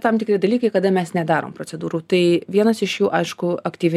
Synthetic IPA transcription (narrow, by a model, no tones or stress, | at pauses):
t̪ɐmt̪ʲɪkɾʲɪd̪ɐlʲiːkɐɪkɐd̪ɐmʲɛsnʲɛd̪ɑːɾo̰ːmpɾoːt͡s̪ʲɛd̪uːɾuːt̪ɐɪʋʲiɛnɐsɪʃjuːʔɐɪʃkʊɐkt̪ʲiːʋʲɪ